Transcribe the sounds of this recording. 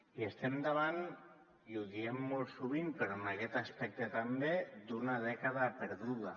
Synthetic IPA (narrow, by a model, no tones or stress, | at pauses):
iest̪ɛmd̪aβan | iuðiemːosuβimpeɾonakɛt̪aspɛk̚t̪ət̪ambed̪unaðɛkaðapəɾðuða